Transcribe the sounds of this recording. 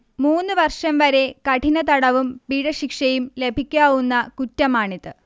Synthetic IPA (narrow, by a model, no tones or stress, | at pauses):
muːnːɨʋɐrʂɐmʋɐɾe̞kɐʈʰinɐt̪ɐɽɐʋumpiːɽɐɕikʂɐjumle̞bʱikʲːaːʋunːɐkutːɐmaːɳiðɨ